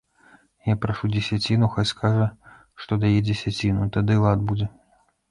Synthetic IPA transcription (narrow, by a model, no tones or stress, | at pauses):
japɾaʂud͡zʲesʲat͡sʲinuxajʲskaʐɐ | ʂt̪ɔd̪ajɛd͡zʲɛsʲat͡sʲinut̪ad̪ɨlˠad̪̚bud͡zʲɛ